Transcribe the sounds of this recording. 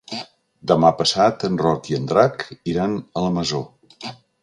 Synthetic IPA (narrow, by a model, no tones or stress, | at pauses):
d̪əmapəsat̪ənrɔkiənd̪ɾakiɾanələməzo